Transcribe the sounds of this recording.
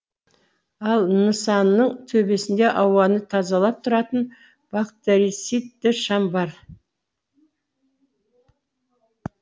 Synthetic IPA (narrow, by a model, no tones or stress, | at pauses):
ɑlˠnəsɑnːəɴt̪ʰɵbe̞sɪnd̪e̞ʔɑwɑnət̪ʰɑzɑlˠɑp̚t̪ʰʊɾɑt̪ən | b̥akt̪eɾisit̪ːɪʃɑmbɑɾ